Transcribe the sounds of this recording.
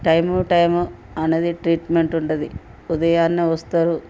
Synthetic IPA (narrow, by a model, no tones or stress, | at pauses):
ʈɐjmuʈɐjmu | ɐned̪iʈɾiːʈmeɳʈuɳʈɐd̪i | ud̪ɐjaːnːiʋɐst̪aːɾu